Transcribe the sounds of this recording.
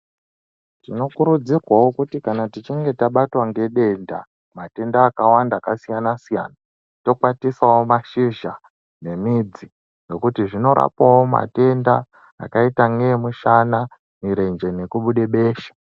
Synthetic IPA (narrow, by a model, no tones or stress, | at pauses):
tino̞kuɾud͡zirwawo̞kutikanatit͡ʃiŋɡe̞taɓatwaŋɡe̞ɗe̞nda | mate̞ndaːkawandaːkasijanasija̰ːna | to̞kwatisawo̞maʃiʒa | ne̞mid͡zi | no̞kutiʐino̞ɾa̰pawo̞ma̰te̞nda | a̰kaitaŋɡemuʃana | miɾe̞nd͡ʒe̞ne̞kuɓuɗe̞ɓe̞ːʃḁ